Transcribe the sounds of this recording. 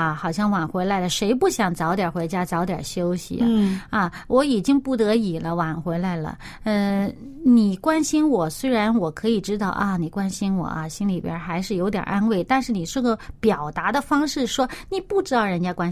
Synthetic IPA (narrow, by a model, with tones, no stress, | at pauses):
xɑ˨˩ʊɕjɑ˥˩ŋwa˨˩nxwe˧˥ɪla˧˥ɪlə˧ʂe˧˥ɪpu˥˩ɕjɑ˨˩ŋt͡sɑ˧˥ʊt̪jɑ˨˩xwe˧˥ɪt͡ɕja˥t͡sɑ˧˥ʊt̪jɐ̰˨˩ɕjo˥ʊɕḭ˨˦ɐ˥˧wʔɔ˧˥i˨˩t͡ɕi˥ŋpu˥˩t̪ɤ˧˥i˨˩lə˦wa˨˩nxwe˧˥ɪla˧˥ɪlə̰˨ | ə˥˧ | ni˨˩kwa˥nɕi˥nwɔ˨˩swe˥ɪɻa˧˥nwɔ˨˩kʰɤ˧˥i˨˩ʈ͡ʂɻ̩˥t̪ɑ˥˩ʊʔɐ˧ni˨˩kwa˥nɕi˥nwɔ̰˨˩ɐ̰˦ɕi˥nli˨˩pjɛ̰˧˥xa˧˥ɪʂɻ̩˥˩jo˧˥ʊt̪jɑ̰˨˩ʔa˥nwe˥˩ɪt̪a˥˧nʂɻ̩˥˩ni˨˩ʂɻ̩˥˩ɡə˧pjɑ˨˩ʊt̪a˧˥d̪ə˧fɑ˥ŋʂɻ̩˥˩ʂwɔ˥ni˨˩pu˥˩ʈ͡ʂɻ̩˥t̪ɑ˥˩ʊɻə˧˥nt͡ɕja˥kwa˥n